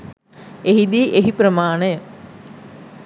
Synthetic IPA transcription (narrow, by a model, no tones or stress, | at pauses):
eɦid̪iːʔeɦipɾəmaːnəjə